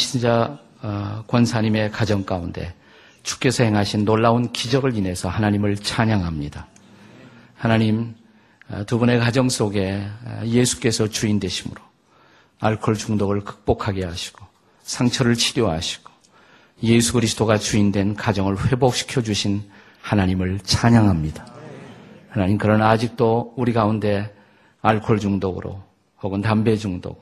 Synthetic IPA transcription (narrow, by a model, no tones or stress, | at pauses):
ɕʰind͡ʑa | kwʌnsʰaɲime̞kad͡ʑʌŋk͈aunde̞̰ | t͡ɕu̥k͈e̞sʰʌhe̞ŋɦaɕʰinːoɭːaunkid͡ʑʌɡɯɭine̞sʰʌhanaɲimɯɭt͡ɕʰaɲaŋɦamɲida | hanaɲim | tubune̞kad͡ʑʌŋs͈oɡe̞je̞sʰu̥k͈e̞sʰʌt͡ɕuindwe̞ɕʰimɯɾo | aɭkʰoɭt͡ɕuŋdoɡɯɭkɯ̥k̚p͈okʰaɡe̞ɦaɕʰi̥ɡ̥o | sʰaŋt͡ɕʰʌɾɯɭt͡ɕʰiɾjoɦaɕʰi̥ɡ̥o̥ | jesʰukɯɾisʰɯ̥t͈oɡat͡ɕuindwe̞nkad͡ʑʌŋɯɭɸwe̞bok̚ɕʰi̥kʰjʌd͡ʑuɕʰin | hanaɲimɯɭt͡ɕʰaɲaŋɦamɲida | hanaɲimkɯɾʌnad͡ʑik̚t͈ouɾiɡaunde̞ | aɭkʰoɭd͡ʑuŋdoɡɯ̰ɾo̰ | hoɡɯntambe̞d͡ʑuŋdo̰ɡ